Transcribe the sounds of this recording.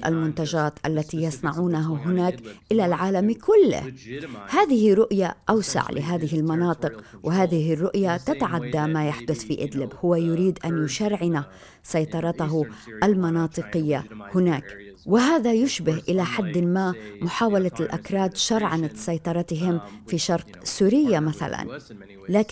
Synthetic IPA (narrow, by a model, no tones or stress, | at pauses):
ʔa̰lmʊnt̪ad͡ʒaːt̪ʔa̰lːat̪ijɑsˤnɑʕuːnaɦaɦʊnaːkʔɪlalʕaːlamkʊlːɪ̰hhaːðɪhɪɾʊʔja̰ʔawsa̰ʕlɪɦaːðɪhɪlmɑnɑːt̪ˤɨqwʔɪɦaːðɪɦɪrːʊʔjat̪at̪aʕad̪ːamajaħd̪ʊθfiʔɪd̪lɪbhʊwajʊɾiːd̪ʔanjʊʃaɾʕɪna | sɑjt̪ˤɑɾˤɑt̪aɦʊʔalmɑnɑːt̪ˤɨqɪjːahʊnaːk | wɪɦaːðajʊʃbɪhʔɪlaħad̪ːmaːmʊħaːwalalʔa̰kɾˤɑːd̪ʃɑɾˤʕanat̪sɑjt̪ˤɑɾˤɑt̪ɪɦɪmfiʃɑɾˤq | suːɾɪjːamaθa̰la̰n | laːk